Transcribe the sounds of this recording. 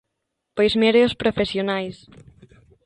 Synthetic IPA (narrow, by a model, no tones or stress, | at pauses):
pojzmeɾeospɾofesjonajs